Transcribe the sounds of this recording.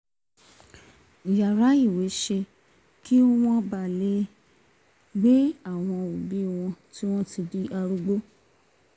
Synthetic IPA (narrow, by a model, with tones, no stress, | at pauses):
i˨ja˨ɾa˨˦i˦˨we˨˦ʃe˧ | ki˦o˦w̃ɔ̃˦ba˨le˦ | ɡ͡be˦a˦˨w̃ɔ̃˧o˨bi˨˦˨w̃ɔ̃˧ti˦w̃ɔ̃˦ti˧di˦ʔa˧ɾu˦ɡ͡bo˦